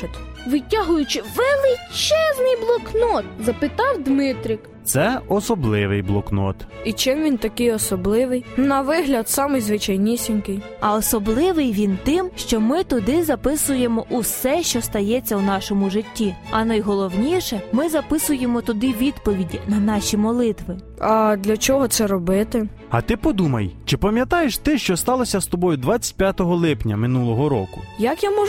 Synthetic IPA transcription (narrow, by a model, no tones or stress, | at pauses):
ʋɪtʲaɦʊjʊt͡ʃɪʋelˠɪt͡ʃɛznɪjblˠɔknɔt̪̚zɐpɪt̪ɑwd̪mɪt̪ɾʲɪk | t̪sɛɔsɔblˠɪʋɪjblˠɔknɔ̰t̪it͡ʃɪmʋʲint̪ɐkɪjɔsɔblˠɪʋɪjnɐʋɪɦlʲɐd̪sɑmɪjzʋɪt͡ʃajnʲisʲinʲkɪj | ɐɔsɔblˠɪʋɪjʋʲint̪ɪmʃt͡ʃɔmɪt̪ʊd̪ɪzɐpɪsʊje̞mɔʔusɛʃt͡ʃɔst̪ɐjɛt͡sʲːɐunɑʃɔmʊʒɪtʲːiɐnɐjɦɔlˠɔwnʲiʃɛmɪzɐpɪsʊjemɔt̪ʊd̪ɪʋʲid̪pɔʋʲidʲinɐnɑʃʲimɔlˠɪt̪ʋɪ | ɐd̪lʲɐt͡ʃɔɦɔt̪sɛɾɔbɪt̪ɪ | ɐ̰t̪ɪpɔd̪umɐ̰jt͡ʃɪpɐmʲjɐt̪ɑjeʃt̪ɪʃt͡ʃɔst̪ɑlˠɔsʲɐst̪ɔbɔjʊd̪ʋat͡sʲːɐ̥t̚ʲpʲjat̪ɔɦɔlˠɪpnʲɐ̰mɪnulˠɔɦɔɾɔ̰kʊjɐkjamɔʒʊ